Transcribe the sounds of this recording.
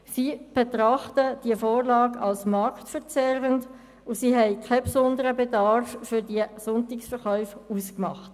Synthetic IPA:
siːb̥etʁɑχtəd̥iəfoːʁlɑːɡɑ̰lsmɑɾktfəʁt͡sɛʁənt | usiːɦɛɪkʰapsʊndəɾəbɛdɑɾfːʏʁdiəsʊntɪksfəʁχœʏfuːskmɑχt

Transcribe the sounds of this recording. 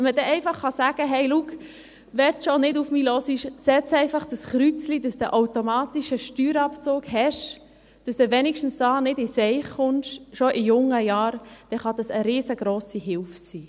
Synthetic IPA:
ɛmədɛʔɛɪfɑχːɑsæːɡ̥əɦɛɪluk | ʋɛɾtʃɔnɪdufmiːlɔsiʃsɛt͡sɛɪfɑχd̥əsχɾyt͡slidɑsd̥̪əʔawtomɑːt̪iʃəʃtyːɾɑpt͡sʊːɡhɛʃ | d̥ɑsd̥̪ɛʋɛnikʃtn̩sdɑːnɪdɪsɛɪχːʊnʃʃɔʔɪjʊŋːəjɑːɾd̥ɛχɑd̥̪ɑsəɾeːsəɡɾɔːsiɦɪlfsiː

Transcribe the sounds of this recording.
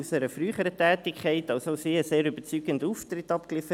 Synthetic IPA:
usɛɾəfɾryːχəɾətɛːtɪkʰχɛɪtɑlsoʊsiːəseːɾybət͡syːɡənduːft̪ɾɪtɑpklɪfə

